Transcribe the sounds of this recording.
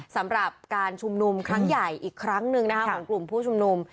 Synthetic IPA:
sa˩˦mɾa˨˩p̚kaː˧nt͡ɕʰu˧mnu˧mkʰɾa˦˥ŋja˨˩jʔiː˨˩kʰːɾa˦˥ŋnɯ˧ŋna˦˥kʰa˦˥kʰɔː˩˨˦ŋklu˨˩mpʰuː˥˩t͡ɕʰu˧mnu˧m

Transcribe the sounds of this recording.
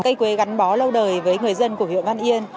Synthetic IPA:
ka˧jkwe˨˦ɣa˨˦jŋ̟ɓɔ˨˦lə˧wɗəː˨˩jvəː˨˦jŋɨ˨˩əjzə˧nku˧˩əvḭ˧˨nva˧nʔi˧ən

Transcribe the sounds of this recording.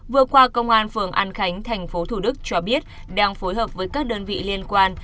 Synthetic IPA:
vɨ˨˩əkwaː˧kə˧wŋ͡mʔaː˧nfɨ˧˩əŋʔaː˧nxa˨˦jŋ̟t̪ʰɛ˨˩jŋ̟fo˨˦t̪ʰu˧˩ɗɨ˦˥k̚t͡ɕɔ˧ɓi˦˥ət̚ | ɗaː˧ŋfo˨˦jɦəː˨˩p̚vəː˨˦jkaː˦˥k̚ɗəː˧nvḭ˧˨li˧ənkwaː˧n

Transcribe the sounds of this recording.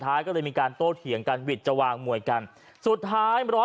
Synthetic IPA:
t̪ʰːaː˦˥jkɔː˥˩lɤː˧jmiː˧kaː˧nt̪oː˥˩t̪̚kʰi˩˦əŋka˧nwi˨˩t̪̚t͡ɕa˧waː˧ŋmu˨˩əjka˧n | su˨˩t̪̚ʰːaː˦˥jɾɔː˦˥

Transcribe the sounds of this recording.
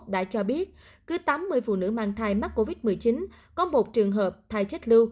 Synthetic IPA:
ɗa̰ː˧˥t͡ɕɔ˧ɓi˦˥ət̚ | kɨ˨˦t̪aː˨˦mːɨ˨˩əjfṵ˧˨nɨ̰˧˥ma̰ː˧˨nt̪ʰaː˧˩jma˦˥k̚ko˧vi˦˥t̚mɨ˨˩əjt͡ɕi˨˦n | kɔ˨˦mo˨˩t̚t͡ɕɨ˨˩əŋɦəː˨˩p̚t̪ʰaː˧˩jt͡ɕə˦˥t̚lɨ˧w

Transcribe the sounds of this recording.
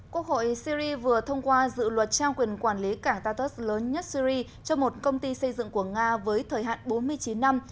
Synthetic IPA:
kwu˦˥ək̚ho̰˧˨jsi˧zi˧vɨ˨˩ət̪ʰə˧wŋ͡mkwaː˧zɨ̰˧˨lwə˨˩t̚t͡ɕaː˧wkwi˨˩ənkwaː˧˩nli˨˦kaː˧˩ŋt̪aː˧t̪ə˦˥sləː˨˦nɲə˦˥t̚si˧zi˧ | t͡ɕɔ˧mo˨˩t̚kə˧wŋ͡mt̪i˧sə˧jzɨ̰˧˨ŋku˧˩əŋaː˧vəː˨˦jt̪ʰəː˨˩jɦa̰ː˧˨nɓo˨˦nmɨ˧əjt͡ɕi˨˦nːa˧m

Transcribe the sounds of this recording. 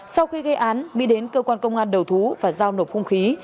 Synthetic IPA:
sa˧wxi˧ɣə˧jʔaː˨˦nmḭ˧˥ɗe˨˦nkəː˧kwaː˧nkə˧wŋ͡mʔaː˧nɗə˨˩wt̪ʰu˨˦vaː˨˩zaː˧wno˨˩p̚xʊ˧ŋ͡mxi˨˦

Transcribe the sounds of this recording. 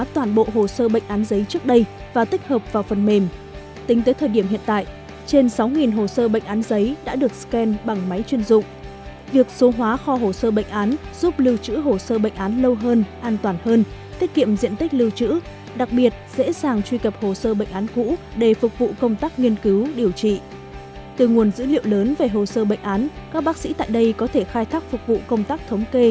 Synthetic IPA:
t̪waː˨˩nɓo̰˧˨ɦo˨˩səː˧ɓə̰˧˨jŋ̟ʔaː˨˦nzə˨˦jt͡ɕɨ˦˥ək̚ɗə˧j | vaː˨˩t̪ï˦˥k̟̚həː˨˩p̚vaː˨˩wfə˨˩nme˨˩m | t̪ï˨˦ŋt̪əː˨˦jt̪ʰəː˨˩ɗi˧˩əmhḭ˧˨ənt̪a̰ː˧˨jʔ | t͡ɕe˧nsa˨˦wŋi˨˩nɦo˨˩səː˧ɓə̰˧˨ŋ̟ʔaː˨˦nzə˨˦jɗa̰ː˧˥ɗɨ˨˩ək̚skɛ˧nɓa˨˩ŋma˨˦jt͡ɕwi˧ənzʊ̰˧˨ŋ͡m | vi˨˩ək̚so˨˦ɦwaː˨˦xɔ˧ɦo˨˩səː˧ɓə̰˧˨ŋ̟ʔaː˨˦nz̥u˦˥p̚lɨ˧wt͡ɕɨ̰˧˥ɦo˨˩səː˧ɓə̰˧˨jŋ̟ʔaː˨˦nlə˧wɦəː˧nʔaː˧nt̪waː˨˩nhəː˧n | t̪ʰi˦˥ək̚kḭ˧˨əmzḭ˧˨ənt̪ï˦˥k̟̚lɨ˧wt͡ɕɨ̰˧˥ | ɗa˨˩k̚ɓi˨˩ət̚zḛ˧˥zaː˨˩ŋt͡ɕwi˧kə˨˩p̚ho˨˩səː˧ɓə̰˧˨ŋ̟ʔaː˨˦nkṵ˧˥ | ɗe˧˩fʊ˨˩k̚vṵ˧˨kə˧wŋ͡mt̪aː˦˥k̚ŋi˧ənkɨ˨˦wɗi˨˩əwt͡ɕḭ˧˨ | t̪ɨ˨˩ŋu˨˩ənzɨ̰˧˥lḭ˧˨əwləː˨˦nve˨˩ɦo˨˩səː˧ɓə̰˧˨jŋ̟ʔaː˨˦n | kaː˦˥k̚ɓaː˦˥k̚sḭ˧˥t̪a̰ː˧˨jɗə˧jkɔ˨˦t̪ʰe˧˩xaː˧jt̪ʰaː˦˥k̚fʊ˨˩k̚vṵ˧˨kə˧wŋ͡mt̪aː˦˥k̚t̪ʰə˨˦wŋ͡mke˧

